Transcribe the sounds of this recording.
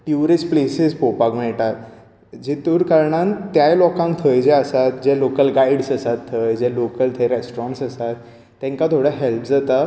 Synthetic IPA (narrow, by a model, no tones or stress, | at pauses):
ʈjuɾisplesizpɾopaɡmɛɭʈat̪̚ | d͡ʑit̪uɾkəɾɳãnt̪jajlɔkãŋk̚t̪ʰəjd͡ʑeəsat̪̚d͡ʑelokəlɡaiɽsəsat̪ʰːəjd͡ʑelokəlt̪ʰəjɾesʈɾɔ̃ɳʈsəsat̪ː | ɛ̃ŋkat̪ʰoɽaɦɛlpd͡zat̪a